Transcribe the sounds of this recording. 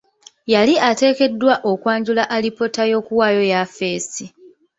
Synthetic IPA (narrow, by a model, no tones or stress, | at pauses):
jaliate̞ːke̞dːwaʔo̞kwaːɲɟulaʔalipo̞tajo̞ːkuwaːjo̞jafe̞ːsi